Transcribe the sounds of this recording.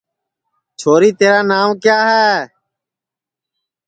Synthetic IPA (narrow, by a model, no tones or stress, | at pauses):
t͡ʃʰoːɾiːt̪eːɾaːnaːmkjaːɦɛː